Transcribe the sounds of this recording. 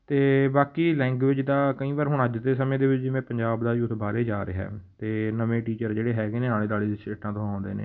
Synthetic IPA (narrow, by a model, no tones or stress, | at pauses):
t̪eːbaːkiːlɛ̃ːŋɡʋɪd͡ʒd̪aːkəĩːbaːɾɦʊɳəd͡ʒt̪eːsəmẽːd̪eːʋɪt͡ʃd͡ʒɪʋẽːpəɲd͡ʒaːbd̪aːjuːt̪baːɾeːd͡ʒaːɾḛːɦɛ̰ːt̪eːnəʋẽːʈiːt͡ʃəɾd͡ʒeːɽeːɦɛːɡeːnẽːãːẽːd̪aːliːsʈeːʈãːt̪õːãːʊ̃nd̪ḛːnḛː